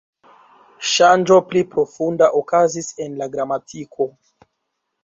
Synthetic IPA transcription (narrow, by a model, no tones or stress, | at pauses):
ʃand͡ʒo̞plipɾo̞fundaʔokazise̞nlaɡɾamatʰikʰo̞